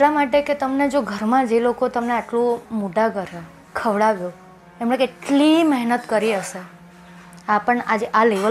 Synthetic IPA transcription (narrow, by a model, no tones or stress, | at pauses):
eʈlamaʈeket̪əmned͡ʒoɡʱəɾmãd͡ʒelokot̪əmneaʈlũmuɖakəɾa | kʰəʋɽaɡu | emɳekeʈlimɛɦnət̪kəɾiəʃe | apəɳad͡ʒeʔaleʋə